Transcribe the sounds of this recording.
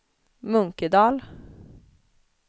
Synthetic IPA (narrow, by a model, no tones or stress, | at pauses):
mɵŋkəd̪ɑːl